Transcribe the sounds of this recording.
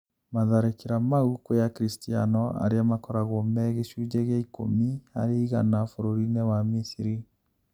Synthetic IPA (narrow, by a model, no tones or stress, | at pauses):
maðaɾekiɾamaukojakɾistianɔa̰ɾeamakɔɾaɣomɛɣeʃud͡ʒaɣaiko̰mia̰ɾeiɣa̰nafoɾoɾinewamisiɾi